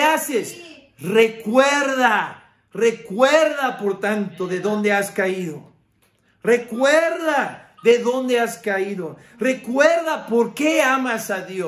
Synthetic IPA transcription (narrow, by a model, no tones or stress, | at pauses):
ases | rekweɾða | rekweɾðapoɾt̪ant̪oðeðo̞nd̪easkaiðo | re̞kweɾða | ðe̞ðond̪easkaiðo | rekweɾðapoɾkeamasaðjo